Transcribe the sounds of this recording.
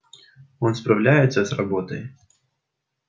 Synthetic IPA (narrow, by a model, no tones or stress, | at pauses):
ɔnspɾawlʲajɛt̪sːəsɾrabɔt̪əj